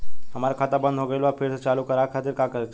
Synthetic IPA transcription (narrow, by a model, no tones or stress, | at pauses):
ɦəmaɾakʰat̪abə̃nd̪ʱɦoɡəlʋapʰeɾsət͡ʃalukəɾakʰat̪iɾkakəɾ